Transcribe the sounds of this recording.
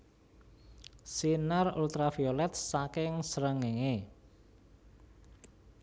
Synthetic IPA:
sinarṵlt̪ɾafiolɛt̪̚sakɪŋsəɾəŋeŋe

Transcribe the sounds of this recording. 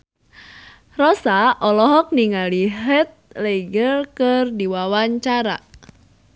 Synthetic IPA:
rɔsaʔɔlɔɦɔk̚niŋaliɦɛt̪̚leɡəlkɨrdiwawaɲt͡ʃaɾa̰

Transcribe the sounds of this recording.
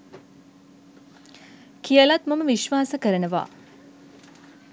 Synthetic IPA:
kijəlat̪mɐməʋiʃʋaːsəkəɾənəʋa̰ː

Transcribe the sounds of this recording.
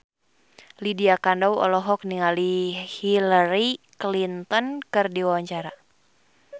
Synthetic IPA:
lidiakandɔwɔ̰lɔɦɔk̚niŋalihilaɾiklint̪ɔnkɨrdiwawaɲt͡ʃaɾa

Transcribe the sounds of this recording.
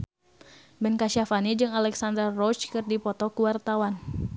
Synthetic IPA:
bɛnkaʃafanid͡ʒɨŋalɛksandərːɔt͡ʃkɨrdipɔt̪ɔkuwart̪awan

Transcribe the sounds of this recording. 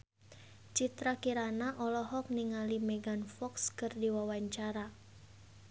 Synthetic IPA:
t͡ʃit̪ɾakiɾanaʔɔlɔɦɔk̚niŋalimeɡanfɔkskɨrdiwawaɲt͡ʃaɾa

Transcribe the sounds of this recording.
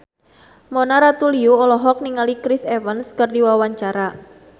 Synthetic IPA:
mɔnaɾat̪uliuɔlɔɦɔk̚niŋalikɾɪsɛfənskərdiwawaɲt͡ʃaɾa

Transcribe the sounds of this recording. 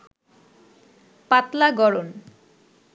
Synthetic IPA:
pat̪laɡɔɾon

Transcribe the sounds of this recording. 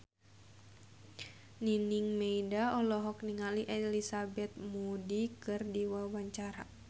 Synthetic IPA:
niniŋmeidaɔlɔɦɔk̚niŋaliʔɛlisabɛt̪̚mudikɨrdiwawaɲt͡ʃaɾa

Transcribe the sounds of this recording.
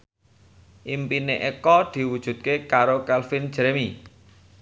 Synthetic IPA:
ʔimpineʔekɔd̪̥i̤wud̥ʒ̥ṳt̪̚kekaɾokɛlfin̥ʒ̥ɾemi

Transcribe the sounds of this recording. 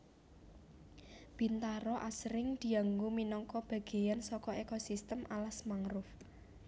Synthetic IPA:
b̥i̤nt̪aɾɔʔasɾɪŋd̪̥i̤aŋɡuminɔŋkɔb̥ä̤ɡ̥e̤jansɔkɔʔekosist̪əmʔalasmaŋɾʊf

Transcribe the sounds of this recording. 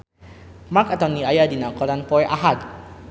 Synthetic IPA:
makat̪ɔniajadinakɔlanpɔjʔa̰ɦad̪

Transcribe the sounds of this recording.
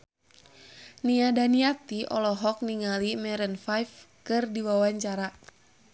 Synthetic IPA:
niadaniat̪iʔɔ̰lɔɦɔk̚niŋalimɛɾənfajfkɨrdiwawaɲt͡ʃaɾa

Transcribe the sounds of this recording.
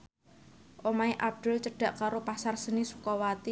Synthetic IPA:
ʔomaiʔab̥̚d̪̥ʊ̤lt͡ʃəɖ̥a̤ʔkaɾopasarsənisu̥kɔwat̪i

